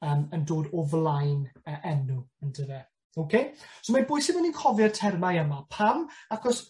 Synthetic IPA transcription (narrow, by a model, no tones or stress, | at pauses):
əːməndoːdɔvlˠajnəʔɛnʊəndəðɛ | owkʰejsomabʊːjsɪməninkʰɔvjɔrtʰɛrmajəmapʰamakʰɔs